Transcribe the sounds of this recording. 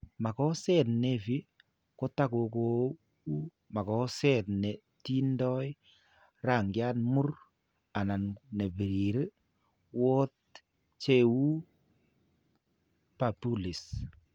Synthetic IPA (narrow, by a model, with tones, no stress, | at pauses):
ma˨kɔ˦sɛ˦tne˦˨fi˦ | ko˦ta˦ko˧ko˦ | u˦ | ma˨kɔ˨˦sɛ˦tne˨ | ti˦ndɔ˦j | ra˨ŋɡja˦nmu˦r | a˨na˨nne˨bi˨ɾi˨ɾi˦ | wo˦t̚ | t͡ʃe˦˨wu˦ | pa˨pu˦li˨s